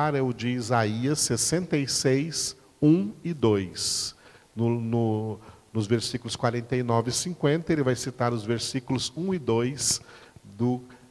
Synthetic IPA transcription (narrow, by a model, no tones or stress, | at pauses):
aɾɛwd͡ʒɪːzaiɐsːesẽnt̪ejsejs | ũɪd̪ojs | nʊnʊnʊzveɾsikʊlʊskwaɾẽnt̪ejnɔvɪsĩkwẽnt̪ɐelɪvajsit̪aɾʊzveɾsikʊlʊzũɪd̪ojsd̪ʊ